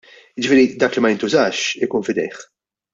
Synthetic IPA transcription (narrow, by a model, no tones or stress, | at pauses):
jɪd͡ʒɪfɪːɾid̪ɐːklimɐjɪnt̪ʊzɐːʃɪkuːnfɪd̪ɛ̰jħ